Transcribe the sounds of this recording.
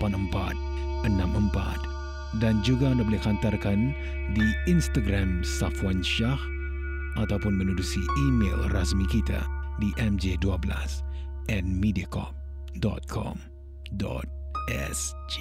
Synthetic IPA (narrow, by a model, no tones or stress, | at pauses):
panəmpa̰t̪̚ | ənamʔəmpa̰t̪̚ | dand͡ʒuɡaandabolɪhkhant̪arkan | diinst̪aɡɾamsafwanʃah | ʔat̪awpʊnmənudusiimḛlrasmikit̪a̰diʔɛmd͡ʒeduabəla̰s | ʔɛnmidiakɔ̰p̚ | dɔ̰t̪̚kʰɔ̰m | dɔ̰t̪̚ʔɛ̰sd͡ʒe